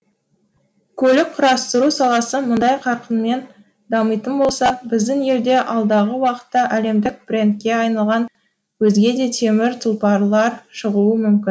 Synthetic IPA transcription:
kʲʰɵlɪk̚qʰʊɾɑst̪əɾusɑlˠɑsəmʊnd̪ɑjqʰɑɾqənme̞n | d̪ɑməjt̪ənbo̞lˠsɑbɪzd̪ɪne̞ɾd̪e̞ʔɑlˠd̪ɑʁəwɑqə̥t̪ːɑʔæle̞md̪ɪk̚b̥rʲe̞nt̪̚kʲe̞ɑjnɑlˠʁɑn | wɵzɡʲe̞d̪e̞t̪ʰe̞mɪɾt̪ʰʊlˠpɑɾlˠɑɾʃəʁuəmʏmkʲɪn

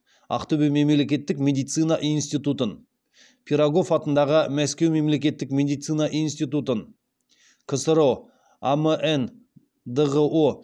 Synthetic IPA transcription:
ɑ̰qt̪ɵbɪmemele̞kʲe̞t̪ːɪkmʲe̞d̪ijt̪sɨjnaʔijnst̪ijt̪ut̪ən | pʲʰiɾaɡo̞fɑt̪ənd̪ɑʁəmæskʲe̞wme̞mle̞kʲe̞t̪ːɪkmʲe̞d̪ijt̪sɨnaʔijnst̪ijt̪ut̪ən | kʰəsɾo | aməʔen | d̪əʁəʔo

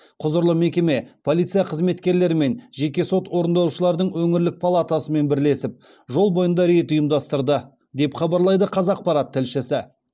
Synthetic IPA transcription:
qʰʊzəɾlˠəme̞kʲe̞me̞pʰo̞lˠijt̪sɨjaqʰəzme̞t̪kʲe̞ɾle̞ɾɪme̞nʒe̞kʲe̞so̞t̪wo̞ɾənd̪ɑuʃəlˠɑɾd̪əɴwɵŋɪɾlɪk̚pʰalˠat̪asəme̞nbɪɾle̞sɪp̚ | ʒo̞lˠbo̞jənd̪ɑɾet̪ʊjəmd̪ɑst̪əɾd̪ə | d̪e̞pχɑbɑɾlˠɑjd̪əqʰɑzɑq̚pɑɾat̪ʰːɪlʃɪsɪ

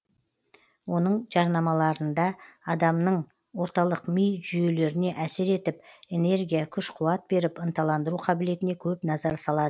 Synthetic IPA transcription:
wo̞nəɴʒɑɾnɑmɑlˠɑɾənd̪ɑɑd̪ɑmnəɴ | wo̞ɾt̪ɑlˠəqmijʒyje̞le̞ɾɪne̞ʔæseɾe̞t̪ɪp̚e̞ne̞ɾɡʲijakʲʰʏʃqʰuɑt̪̚be̞ɾɪpənt̪ɑlˠɑnd̪əɾuqʰɑbɪle̞t̪ɪne̞kʲʰɵpnɑzɑɾsɑlˠɑd̪ə

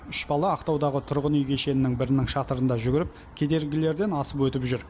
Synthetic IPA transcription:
ʏʃbɑlˠɑːqt̪ɑwd̪ɑʁət̪ʰʊɾʁənʏjɡʲeʃe̞nɪnɪŋbɪɾɪnɪŋʃɑt̪əɾənd̪ɑʒʏɡʲɪɾɪp̚ | kʲʰe̞d̪e̞ɾɡʲɪle̞ɾd̪e̞nɑsəpwɵt̪ɪpʒʏɾ

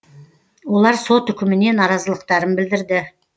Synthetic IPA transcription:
wo̞lˠɑɾso̞t̪ʏkʲɪmɪne̞nɑɾɑzəlˠəq̚t̪ɑɾənbɪld̪ɪɾd̪ɪ

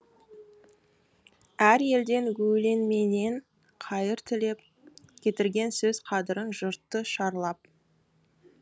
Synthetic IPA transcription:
æɾje̞ld̪e̞ŋɡɵle̞nme̞ne̞ɴ | qʰɑjəɾt̪ʰɪle̞p̚ | kʲʰe̞t̪ɪɾɡʲe̞nsɵz̥qʰɑd̪əɾənʒʊɾt̪ːəʃɑɾlˠɑp̚

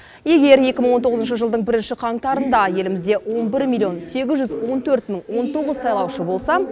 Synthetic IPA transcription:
je̞ɡʲe̞ɾje̞kʲɪməɴwo̞nt̪o̞ʁəzənʃ̬əʒəlˠd̪əɴbɪɾɪnʃɪqʰɑɴt̪ɑɾənd̪ɑje̞lɪmɪzd̪e̞wo̞nbɪɾmʲilʲːijo̞nse̞ɡʲɪzʒʏzwo̞nt̪ʰɵɾt̪məŋwo̞nt̪ʰo̞ʁəzsɑjlˠɑwʃəbo̞lˠsɑ

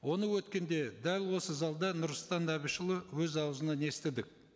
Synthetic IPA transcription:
wo̞nəwɵt̪kʲe̞nd̪e̞d̪ælʲwo̞səzɑlˠd̪ɑnʊɾsˠt̪ɑnæβɪʃəlˠəwɵzɑwəzənɑne̞st̪ɪd̪ɪk̚

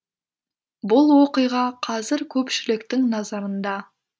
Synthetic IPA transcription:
bʊlˠwo̞qəjʁɑqʰɑzɪɾkʲʰɵpʃɪlɪkt̪ɪŋnɑzɑɾənd̪ɑ

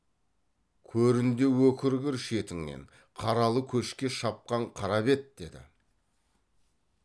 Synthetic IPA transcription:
kʲʰɵɾɪnd̪e̞wɵkʲɪɾɡʲɪɾʃe̞t̪ɪŋnḛɴ | qʰɑɾɑlˠəkʲʰɵʃkʲe̞ʃɑp̚qɑɴqʰɑɾɑbe̞t̪̚d̪e̞d̪ɪ̰

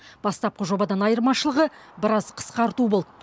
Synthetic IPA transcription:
b̥ɑst̪ɑp̚qəʒo̞bɑd̪ɑnɑjəɾmɑʃəlˠəʁə | bɪɾɑzqʰə̥sqɑɾt̪ubo̞lˠd̪ə

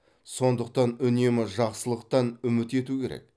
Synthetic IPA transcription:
so̞nd̪əqt̪ɑnʏne̞mɪʒɑqsəlˠəqt̪ɑnʏmɪt̪e̞t̪ukʲʰe̞ɾḛk̚

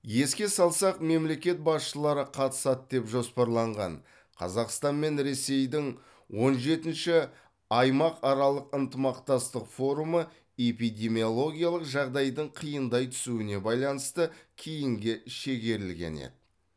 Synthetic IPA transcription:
je̞skʲe̞sɑlˠsɑqme̞mle̞kʲe̞t̪̚bɑsʃəlˠɑɾəqʰɑt̪ə̥sɑt̪̚d̪e̞pʒo̞spɑɾlˠɑɴʁɑ̰n | qʰɑ̰zɑqst̪ɑnme̞nɾe̞se̞jd̪ɪŋ | wo̞nʒe̞t̪ɪnʃɪ | ɑjmɑqɑɾɑlˠəqənt̪əmɑqt̪ɑst̪əqfo̞ɾumə | e̞pijd̪ʲe̞mijo̞lˠo̞ɡʲijɑlˠəqʒɑʁd̪ɑjd̪əɴqʰijənd̪ɑjt̪ʰʏ̥suɪne̞bɑjlˠɑnəst̪əkʲʰijɪŋɡʲɪʃe̞ɡʲe̞ɾɪlɡʲḛnḛd̪ɪ

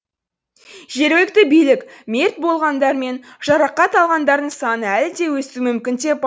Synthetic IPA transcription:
ʒe̞ɾwe̞k̚t̪ɪbijlɪkme̞ɾt̪̚bo̞lˠʁɑnd̪ɑɾme̞nʒ̥ɑɾɑqːɑt̪ɑlˠʁɑnd̪ɑɾd̪əɴsɑnəælɪd̪e̞wɵsumʏmkʲɪnd̪e̞p̚

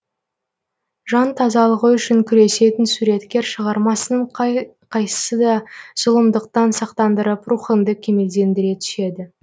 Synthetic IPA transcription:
ʒɑnt̪ʰɑzɑlˠəʁəʏʃɪŋkʲʰʏɾe̞se̞t̪ɪnsuɾe̞t̪kʲe̞ɾʃəʁɑɾmɑsənəɴ | qʰɑjsə̥səd̪ɑz̥ʊlˠəmd̪əqt̪ɑnsɑqt̪ɑnd̪əɾəpruχənd̪əkʲʰe̞me̞ld̪e̞nd̪ɪɾe̞t̪ʰʏ̥ʃe̞d̪ɪ

